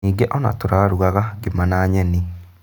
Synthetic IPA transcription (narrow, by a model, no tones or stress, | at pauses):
iːɡeʔɔna̰toɾaɾuɣaɣaɡemanaːɲɛni